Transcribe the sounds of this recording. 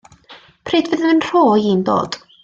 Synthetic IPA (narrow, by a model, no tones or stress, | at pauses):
pʰreːdvɪðənənr̥oːjiːndo̰ːd̥